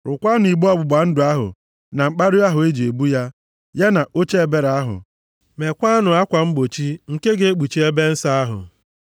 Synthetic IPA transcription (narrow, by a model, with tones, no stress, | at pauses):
ɾʊ˨kʷa˦nʊ˨i˨ɡ͡bɔ˦˨bʊ˨ɡ͡ba˨n̩˦dʊ˨a˦ɦʊ̰˨ | na˨ŋ͡m̩˨k͡pa˦ɾʊ˦a˦ɦʊ˨e˦d͡ʒi˨e˨bu˦ja˦ | ja˦na˨ʔo˦t͡ʃe˦e˨be˦ɾa˦ɦʊ̰˨ | me˨kʷa˦nʊ˨a˦kʷa˨ŋ͡m̩˦ɡ͡bo˨t͡ʃi˦ŋ̩˨ke˦ɡe˦e˦k͡pu˨t͡ʃi˦e˦be˦n̩˦sa˦a˦ɦʊ̰˨